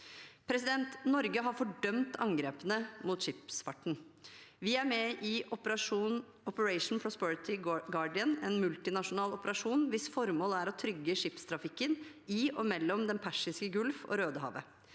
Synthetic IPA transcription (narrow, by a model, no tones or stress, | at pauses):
pʰɾɛsɪd̪ɛnt̪nɔɾɡəɦɑɾfɔɖœmt̪ɑŋɡɾeːpənəmuːt̪ʂɪpsfɑʈːɳ̩ʋɪæɾmɛʔɪ | ɔpəɹɛɪʂn̩pʰɾɔspɛɹɪt̪ɪɡɑɖɪənɛnmʉlt̪ɪnɑʂʊnɑːlɔpəɾɑʂuːnʋɪsfɔɾmoːlæɾɔt̪ʰɾʏɡːəʂɪpst̪ʰɾɑfɪkːən | ɪɔmɛlːɔmd̪ɛnpʰæʂɪskəɡʉlfo̰ːɾøːd̪əɦɑ̰ːʋə̰